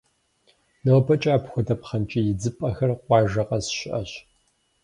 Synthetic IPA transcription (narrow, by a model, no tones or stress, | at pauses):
nɐwbɐt͡ʃʼaːpxʷɔdɐpχɐnt͡ʃʼijɪd͡zɨpʼɐxɐrqʷɑːʒɐqɐsʃɪʔɐɕ